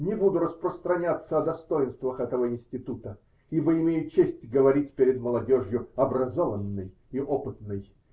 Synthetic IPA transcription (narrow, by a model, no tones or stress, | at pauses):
nʲɪbud̪ʊɾəspɾəst̪ɾɐnʲat̪sːəɐd̪ɐst̪ojɪnst̪vəxɛt̪əvəɪnsʲtʲɪt̪ut̪ə | ibəɪmʲejʊt͡ɕesʲtʲɡəvɐɾʲitʲpʲɪɾʲɪd̪məlˠɐdʲoʐjʊɐbɾɐzovənːɨj | iʔopɨt̪nɨj